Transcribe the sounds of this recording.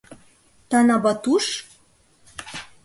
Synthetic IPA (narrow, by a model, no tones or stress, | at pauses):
t̪ɑnɑbɑt̪uʃ